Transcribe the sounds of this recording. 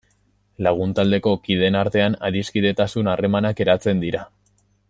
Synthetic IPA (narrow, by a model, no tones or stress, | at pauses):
laɣ̞unt̪ald̪e̞ko̞kið̞e̞naɾt̪e̞ana̰ðiskiðe̞t̪asunare̞manake̞ɾat͡se̞nd̪iɾa